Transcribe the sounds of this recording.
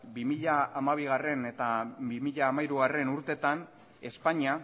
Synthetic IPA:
bimiʎaːmaβ̞iɣare̞ne̞t̪abimiʎaːmajɾuɣare̞nuɾt̪e̞t̪an | e̞spaɲia

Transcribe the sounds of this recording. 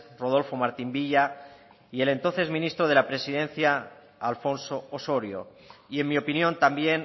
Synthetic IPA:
roð̞o̞lfo̞maɾt̪imbiʎa | ie̞le̞nt̪o̞nθe̞zmĩnist̪ɾoð̞e̞lapɾe̞siðe̞n̟θja | alfo̞nsoːso̞ɾjo̰ | ie̞mmio̞pinjõ̞nt̪ambje̞n

